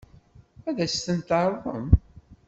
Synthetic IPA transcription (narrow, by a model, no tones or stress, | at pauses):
æðæst̪ənt̪əɾˤðˤə̰m